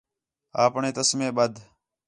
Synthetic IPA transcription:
aːpɳeːt̪əsmẽːɓəd̪ʱ

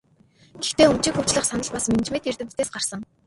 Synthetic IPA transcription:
ɡ̥ext̪eːɵm̥t͡ɕĭːkxɵw̥t͡ɕɮə̆χsanə̆ɮpasmen̆t͡ɕmet̪irt̪ɘ̆t̪ːeːsɢarsə̆ŋ

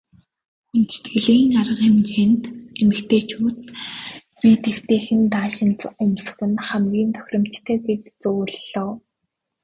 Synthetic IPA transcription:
ent͡ɕt̪ɡeɮiːŋaɾʁə̆qemt͡ɕeːnt̪emɘ̆kt̪ʰeːt͡ɕʰʊːt̪̚ | piːt̪ew̥t̪eːxɘ̆nt̪aːʃɪ̆nt͡sʊms̆xɘ̆nχæmɡʲiːnt̪ʰœ̥xʲrʲɞ̆m̥t͡ɕt̪ʰeːɡet̪t͡suːɮɔː

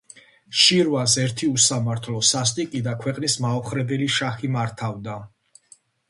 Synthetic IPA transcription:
ʃiɾvasɛɾt̪ʰiusamaɾt̪ʰlɔsast̪ʼikʼid̪akʰwɛqʼnismaɔχɾɛbɛliʃaχimaɾt̪ʰavd̪a

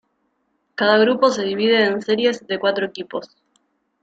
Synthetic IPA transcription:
kaðaɣɾupo̞se̞ðiβ̞ið̞e̞ːnse̞ɾje̞zðe̞kwat̪ɾoekipo̞s

